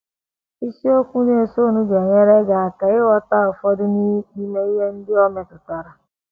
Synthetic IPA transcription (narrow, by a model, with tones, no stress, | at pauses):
i˦si˦o˦kʷu˦ne˨so˦˨nu˦d͡ʒe˨ŋe˦ɾe˦ɡa˨a˨ka˨ɪ˦wɔ˦ta˦ʊ˨fɔ˦dʊ˦ni˦k͡pi˦me˦i˦ɦe˦n̩˦dɪ˦ɔ˦me˨tʊ˨ta˨ɾa˨